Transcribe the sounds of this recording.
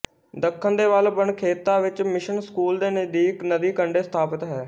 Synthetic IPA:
d̪əkʰːənd̪eːʋəlbəɳkʰeːt̪ːãːʋɪt͡ʃmɪʃənskuːld̪eːnəd̪iːknəd̪iːkəɳɖeːsə̥t̪ʰaːpət̪ɦɛː

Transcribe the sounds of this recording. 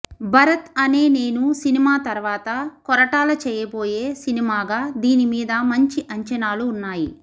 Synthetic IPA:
bɐɾɐt̪ɐne̞ːne̞ːnusinimaːt̪ɐɾʋaːt̪ɐkɔɾɐʈaːlɐt͡ʃɛːjɐbo̞ːje̞ːsinimaːɡaːd̪iːnimiːd̪ɐmɐɲt͡ʃiʔɐɲt͡ʃɐnaːluːnːaːji

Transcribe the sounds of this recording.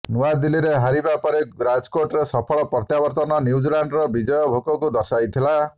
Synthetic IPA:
nuad̪iliɾeɦaɾibapɔɾeɾad͡ʒkoʈɔɾesɔpʰɔɭɔpɔɾt̪jabɔɾt̪ɔnɔnjiwd͡ʒilaɳɖɾɔbid͡ʒɔjɔbʱokɔkud̪ɔsajt̪ʰila

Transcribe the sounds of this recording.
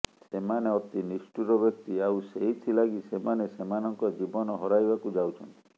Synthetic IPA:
semaneɔt̪inisʈuɾɔbek̚t̪iawseɦit̪ʰilaɡisemanesemanɔŋkɔd͡ʒibɔnɔɦɔɾajbakud͡ʒawt͡ʃʰɔnt̪i

